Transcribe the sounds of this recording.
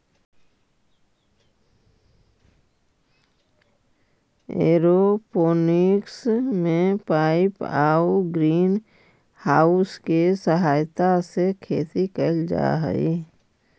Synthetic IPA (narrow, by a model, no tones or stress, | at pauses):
ḛːɾopoːnɪksmẽpaːɪpaːuɡɾiːn | haːʊskesəɦaːjt̪asekʰeːt̪ikəld͡ʒa̰ɦə̰ḭ